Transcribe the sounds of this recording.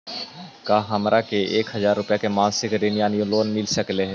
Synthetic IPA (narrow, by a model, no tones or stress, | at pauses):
kaːɦɐmɾʔakeeːkɦɐzaːɾːʊpjakemãːnsɪkɾinijaːnjũloːnmɪlsəkleɦɛ